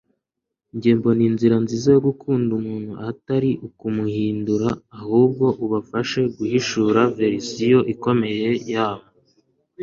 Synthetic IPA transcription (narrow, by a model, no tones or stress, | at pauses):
iɲɟeːmbo̞ninziɾanzizajoɡukʰuːndumuːnhuʔataɾiʔukumuhiːnduɾaːhuːb̚ɡo̞ʔuβafaʃe̞ɡuhiʃuɾave̞ɾisijo̞ʔiko̞me̞je̞jaːβo